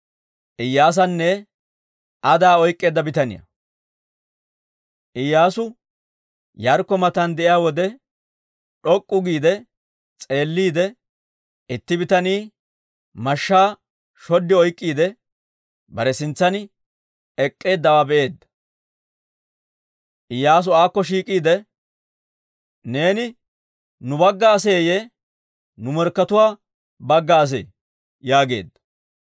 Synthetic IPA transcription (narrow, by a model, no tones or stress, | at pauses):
ʔɪjːaːs̬ɐnːɛ | ʔɐd̪aːɔjkʼːe̞ːd̪ːɐbɪt̪ɐnɪ̰jɐ̰ | ʔɪjːaːsʊ | jɐɾkːɔmɐt̪ɐnd̪ɛʔɪjaːwɔd̪ɛ | ᶑɔkʼːʊɡiːd̪ɛ | t͡sʼe̞ːlːiːd̪ɛ | ɪt̪ːɪbɪt̪ɐniː | mɐʃːaː | ʃɔd̪ːɪɔjkʼːiːd̪ɛ | bɐɾɛsɪnt͡sːɐn | ɛkʼːe̞ːd̪ːɐwaːbɛʔe̞ːd̪ːɐ̥ | ʔɪjaːs̬ʊaːkːɔʃiːkʼiːd̪ɛ | ne̞ːnɪ | nʊbɐɡːaːse̞ːje | nʊmɛɾkːɐt̪ʊwaː | bɐɡːaːs̬ḛː | jaːɡe̞̰ːd̪ːɐ̥